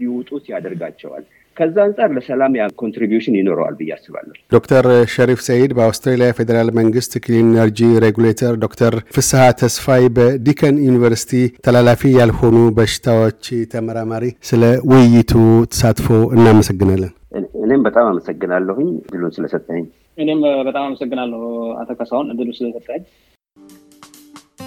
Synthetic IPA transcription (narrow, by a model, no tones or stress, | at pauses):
jiwut̪ʼut̪jad̪əɾɡat͡ʃːɛwa̰l | kʰəzːaɨnsʼaɾləsəlamjakʰont̪ɾibjuʃɪnjɪno̞ɾə̰wa̰lbɨjːa̰sːɨβa̰lːəhd̪o̞kt̪ʰəɾʃəɾifsəjed̪bəawst̪ɾelijafe̞d̪əɾalməŋɡɨst̪kʰlinəɾd͡ʒiɾeɡulet̪ʰəɾd̪o̞kt̪ʰəɾfɨsɨhat̪ʰəsfajbəd̪ikʰənjunivəɾsi̥t̪ʰit̪ʰəlalafijalho̞nubəʃɪ̥t̪ʰawot͡ʃːt̪ʰəməɾamaɾisɨləwʊjːɪt̪ʰut̪ʰə̥sat̪fowɨnːaməsəɡːɨnalːən | ʔɨɨne̞mbət̪ʼamaməsəɡːɨnalːəhɨɲd̪ɨlusɨləsət̪ʼːəhəɲː | ʔɨne̞mbət̪ʼamaməsəɡːɨnalːəha̰t̪ʰokəsawnɨd̪ːɨlusɨləsət̪ʼːəəɲ